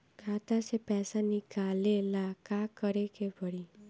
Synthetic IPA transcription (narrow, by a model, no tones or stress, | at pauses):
kʰat̪asepɛsanikalelakakʌɾekebʱʌɽi